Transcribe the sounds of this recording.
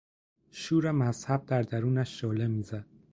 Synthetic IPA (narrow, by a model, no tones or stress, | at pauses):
ʃuːɾæmæz̥hæb̚d̪æɾd̪æɾuːnæʃːɒːlemiːzæd̪̥̚